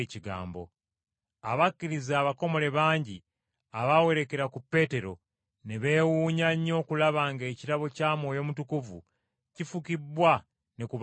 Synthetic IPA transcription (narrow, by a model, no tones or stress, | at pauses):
ciɡa̰ːmbo̞̰ | aβakːiɾizaːβako̞mo̞le̞βaːɲɟi | aβawe̞ɾe̞ke̞ɾakupːe̞ːte̞ɾo̞̰ | ne̞βe̞ːwuːɲaɲːo̞ːkulaβaːŋɡe̞ːciɾaβo̞caːmwo̞ːjo̞mutukuvṵ | cifukibwa | nekuβ